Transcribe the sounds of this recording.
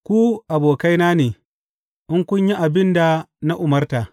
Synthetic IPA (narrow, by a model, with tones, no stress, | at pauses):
kʷu˦ʔa˨boː˨ka˦jnaː˦neː˨ | ʔɪ˦ŋkʷʊ˦ɲji˦ʔa˨bɪ˦nda˨na˦ʔʊ˨mɐ˦rta˨